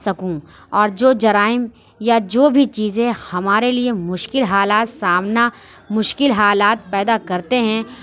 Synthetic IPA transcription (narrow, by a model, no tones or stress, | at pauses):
sɐkũ | ɔːɾd͡ʒoːd͡ʒɐɾaːɪm | jad͡ʒoːbʱit͡ʃiːzẽhɐmaːɾeliemʊʃkɪlɦaːlaːt̪saːmna | mʊʃkɪlɦaːlaːt̪̚pɛːd̪akɐɾt̪eɦɛ̃